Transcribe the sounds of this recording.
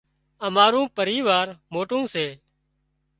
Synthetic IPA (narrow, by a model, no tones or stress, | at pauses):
əmaːɾũːpəɾiːʋaːɾmoːʈũːseː